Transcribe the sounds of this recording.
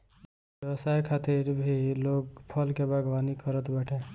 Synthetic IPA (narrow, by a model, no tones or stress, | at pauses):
bebəsajkʰat̪iɾbʱilokpʰʌlkebʱaɡbanikʌɾət̪baʈʰe